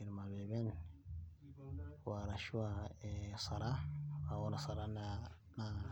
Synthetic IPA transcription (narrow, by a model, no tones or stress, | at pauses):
iɾmabɛbɛn | waɾaʃuwaɛsaɾaawɔnasaɾana | na